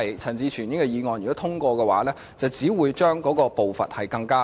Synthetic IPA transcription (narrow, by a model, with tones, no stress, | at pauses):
jt͡sʰɐ˨˩ŋt͡siː˧t͡ʃʰyː˨˩njɪ˥ŋkɛ˧jiː˨˧ŋɔː˨˧njyː˨˩kɔ˨˥t̪ʰʊ˥ŋkɔː˧kɛː˧wa̰ː˨˥lɛː˥ | t͡sɐ˨wt͡siː˨˥wuː˨˧jt͡ʃœː˥ŋkɔː˨˥kɔː˧po˨wfɐ̰˨t̚hɐ˨˩jkɐ˧ŋkaː˥